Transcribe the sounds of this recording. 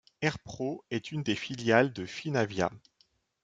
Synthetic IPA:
ɛʁpχoɛt̪ʰynd̪efiljald̪əfinavja̰

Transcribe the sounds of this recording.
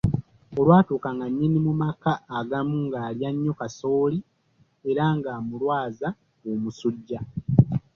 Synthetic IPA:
o̞lwaːtuːkaŋɡaɲːinimumakaːɡamuŋɡaːljaɲːo̞kaso̞ːli | e̞ɾaŋɡaːmulwaːza | omusuɟːa

